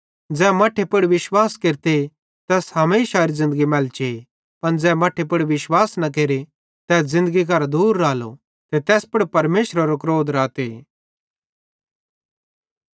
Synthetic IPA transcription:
d͡zɛːmaːʈʰepʊɽiʋɪʃwaːskeːɾt̪e | t̪ɛːsɦɐmeːʃaːɾizɪ̃nd̪əɡimɛːlt͡ʃe | pɐnd͡zɛːmɐːʈʰepʊɽiʋɪʃwaːsnɐk̬eːɾe | t̪ɛːs̬zɪ̃nd̪əɡik̬ɐɾd̪uːɾːaːlo̰ | t̪et̪ɛːspʊɽpɐɾmeːʃɾaɾokɾoːd̪ɾaːt̪e

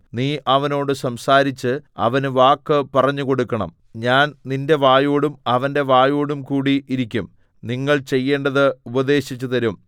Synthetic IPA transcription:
niːʔɐʋɐno̞ːɽɨsɐmsaːɾit͡ɕːɨɐ̰ʋɐnɨʋaːkːɨpɐrɐɲːuko̞ɽukːɐɳɐ̰m | ɲaːnninde̞ʋaːjoːɽumɐʋɐnde̞ʋaːjoːɽumkuːɽiiɾikʲːum | niŋːɐɭt͡ɕe̞jːe̞ːɳɖɐðɨubɐd̪e̞ːɕit͡ɕːut̪ɐɾum

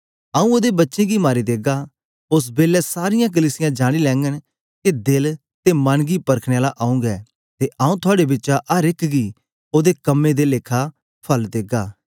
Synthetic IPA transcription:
aːũoːd̪ebɐtːʃẽɡimaːɾid̪eːɡaː | ʊs̬beːlɛsaːɾɪjãk̬əliːsɪjãːd͡ʒaːɽ̃ilɛ̃ːŋɡən | kid̪ɪl | t̪emɐnɡipɐɾkʰɽ̃eaːlaʔaːũːŋɡɛ̰ː | t̪eʔaːũt̪ʰʊaːɽebɪtːt͡ʃaʔəɾɪkɡiː | oːd̪ekəmːẽd̪eleːkʰa | pʰɐld̪eːɡaː

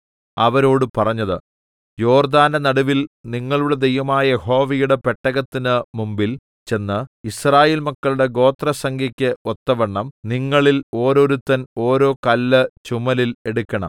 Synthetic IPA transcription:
ɐʋɐɾo̞ːɽɨpɐrɐɲːɐðɨ | jo̞ːrd̪aːnɐnɐɽuʋilniŋːɐɭuɽe̞d̪ejʋɐmaːjɐeho̞ːʋɐjuɽe̞pe̞ʈːɐɣɐt̪ːinɨmumbil | t͡ɕe̞nːɨisraːjeːlmɐkːɐɭuɽe̞ɡo̞ːt̪rɐsɐŋɡʱikʲːɨot̪ːɐʋɐɳːɐmniŋːɐɭilo̞ːɾo̞ɾut̪ːɐno̞ːɾo̞ːkɐlːɨt͡ɕumɐlile̞ɽukʲːɐɳɐ̰m

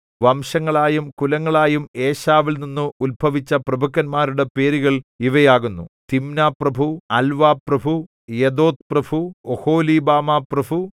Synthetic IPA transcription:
ʋɐmʂɐŋːɐɭaːjumkulɐŋːɐɭaːjume̞ːɕaːʋilninːɨulbʱɐʋit͡ɕːɐprɐbʱɐkːɐnmaːɾuɽe̞pe̞ːɾiɣɐɭiʋɐjaːɣunːut̪imnaːprɐbʱuɐlʋaːprɐbʱu | jed̪oːt̪̚prɐbʱuoho̞ːliːbaːmaːprɐbʱu

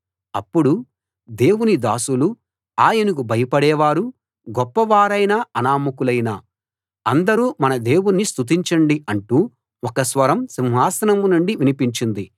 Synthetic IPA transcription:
ɐpːuɽu | d̪e̞ːwunid̪aːsulu | aːjɐnikubʱɐjɐpɐɽɛːʋaːɾu | ɡɔpːɐʋaːɾɐjnaɐnaːmukulɐjnaː | ɐnd̪ɐɾuːmɐnɐd̪e̞ːwunːist̪ut̪̬iɲt͡ʃɐɳɖiɐɳʈuː | ɔkɐsʋɐɾɐmsimɦaːsɐnɐmunuɳɖiʋinipiɲt͡ʃind̪i

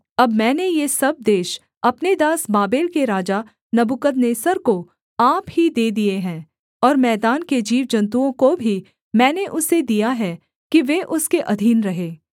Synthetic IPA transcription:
ɐbmɛ̃ːnejesɐb̚d̪eːʃ | ɐpned̪aːsbaːbeːlkeɾaːd͡ʒa | nɐbukəd̪neːsəɾko | aːphid̪eːd̪ieɦɛ̃ː | ɔːɾmɛːd̪aːnked͡ʒiːʋd͡ʒɐ̃nt̪̬uõkobʱi | mɛ̃ːneʔʊsed̪ijaɦɛ | kiʋeʔʊskeʔɐd̪ʱiːnɾɐɦeː

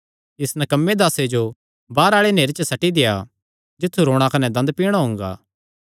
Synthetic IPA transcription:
ɪsnɛkɐmːed̪aːsed͡ʒo | baːɾaːɭeneːɾet͡ʃəsɐʈid̪ɪja̰ | d͡ʒɪt̪ʰːuɾoːɽ̃ãkɐnɛd̪ɐ̃nd̪̚piːɽ̃aɦõːŋɡa̰ː

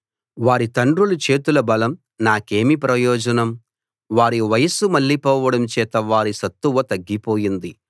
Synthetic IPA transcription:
ʋaːɾit̪ɐɳɖɾulut͡ʃe̞ːt̪ulɐbɐlɐm | naːke̞ːmipɾɐjɔːd͡ʒɐnɐm | ʋaːɾiʋɐjɐsumɐɭːipɔːʋɐɽɐmt͡ʃɛːt̪ɐʋaːɾisɐt̪ːuʋɐt̪ɐɡːipoːjind̪i

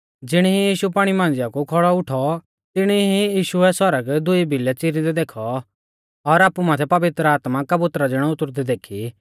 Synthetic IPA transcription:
d͡zɪɽ̃iɦijiːʃupaːɽ̃imãːnd͡zɪjakukʰɔɭɔʊʈʰɔ | t̪ɪɽ̃iɦijiːʃuɛsɔɾəɡd̪ʊibʱilɛt͡sɪɾid̪ɛd̪eːkʰɔ | ɔɾaːpumaːt̪ʰɛpɐʋɪt̪ɾəaːt̪makɐbʊt̪ɾad͡zɪɽ̃ɔ̃ʊt̪ʊɾd̪ɛd̪eːkʰi

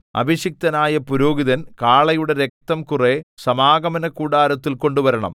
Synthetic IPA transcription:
ɐ̰bʱiɕik̚t̪ɐnaːjɐpuɾoːɡiðɐnkaːɭɐjuɽe̞ɾe̞k̚t̪ɐmkuresɐmaːɡɐmɐnɐkuːɽaːɾɐt̪ːilko̞ɳɖuʋɐɾɐɳɐ̰m

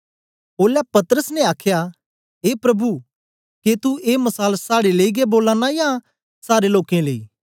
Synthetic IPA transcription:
oːlɛpɐt̪əɾəsnɛ̃aːkʰja | ɦeːpɾɐbʱu | ket̪uʔeːmɐsaːlsaːɽeleiɡeboːlaːnajãː | saːɾeloːkẽleḭː

